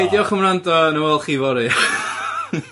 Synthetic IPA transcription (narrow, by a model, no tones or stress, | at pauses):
ejdjɔχəmrandɔnəwɛlˠχiːvɔɾɨ